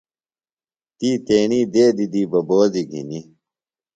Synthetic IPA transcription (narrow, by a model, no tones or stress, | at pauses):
t̪iːt̪eːniːd̪eːd̪id̪iːbɐboːziɡʱḭni